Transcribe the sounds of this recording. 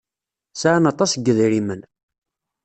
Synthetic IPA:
saʕnɑt̪ˤɑsɡːəðɾimən

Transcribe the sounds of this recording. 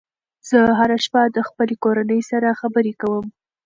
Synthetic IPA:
z̥əɦaɾaʃpɑd̪əxpəlekoɾanəjsaɾaxabəɾekawəm

